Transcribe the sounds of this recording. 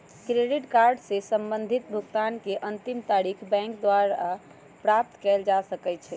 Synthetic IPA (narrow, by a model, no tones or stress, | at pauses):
kɾeɖiʈkaɾɖsesəmbənd̪ʱit̪̚bʱuɡt̪ankeʔənt̪imt̪aɾikʰbɛ̃ŋkd̪waɾa | pɾap̚t̪kɛld͡ʒasəkɛt͡ʃʰɛ